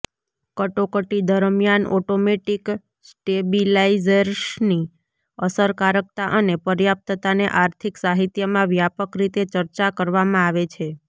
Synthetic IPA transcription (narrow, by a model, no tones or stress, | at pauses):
kəʈokəʈid̪əɾmjanɔʈomeʈik | sʈebilaizəɾsni | əsəɾkaɾək̚t̪aʔənepəɾjap̚t̪ət̪aneʔaɾt̪ʰiksaɦit̪jəmãʋjapəkɾit̪et͡ʃəɾt͡ʃakəɾʋamãaʋet͡ʃʰe